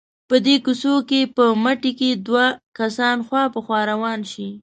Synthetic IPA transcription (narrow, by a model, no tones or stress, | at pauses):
pəd̪ekusokepəmaʈeked̪wakasɑnxwɑpəxwɑɾawɑnʃi